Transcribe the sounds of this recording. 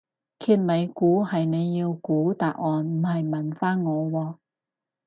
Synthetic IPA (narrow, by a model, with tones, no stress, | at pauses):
kʰiː˧t̚mɐ˨˧jkuː˨˥hɐ˨jne˨˧jːiː˧wkuː˨˥t̪aː˨k̚ɔː˨nm̩˨˩hɐ˨jmɐ˨˩nfaː˥nŋɔː˨˧wɔː˧